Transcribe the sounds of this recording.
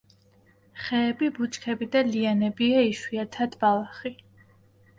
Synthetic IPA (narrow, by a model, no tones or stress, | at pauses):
χɛːbibut͡ʃʼkʰɛbid̪alianɛbiaiʃwiat̪ʰad̪balˠaχi